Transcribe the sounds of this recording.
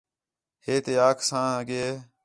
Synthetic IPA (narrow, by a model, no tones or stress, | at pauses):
heːt̪eːaːkʰsãːəɡeː